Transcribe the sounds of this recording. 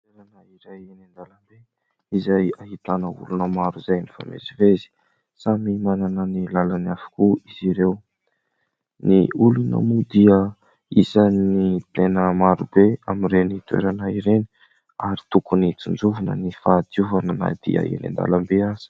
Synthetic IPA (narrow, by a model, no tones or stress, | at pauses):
t̪eɾanaiɾajenend̪alambe | izajaɦit̪anəṵlunəmaɾuzajnifa̰mḛsivezi̥ | samimananənilalanafḁkuiziɾew | niulunə̰mud̪iə | izanit̪enəmaɾubeamirenit̪uḛɾanaiɾeni̥ | aɾi̥t̪ukunit͡sund͡zuvunə̰nifad̪iuvanəna̰d̪̥ḭa̰ḛnḛnd̪a̰lambeaz̥i̥